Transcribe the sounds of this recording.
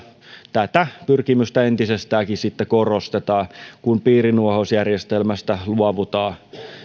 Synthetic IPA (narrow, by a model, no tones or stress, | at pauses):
t̪æt̪æpyrkimyst̪æent̪isest̪æːkissit̪ːekorost̪et̪ɑːkunpiːrinuohosjærjest̪elmæst̪æluɑʋut̪ɑː